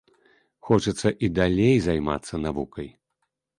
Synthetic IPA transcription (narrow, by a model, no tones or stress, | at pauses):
xɔt͡ʂɐt̪sːɐʔid̪alʲejzajma̰t̪sːɐnavukɐj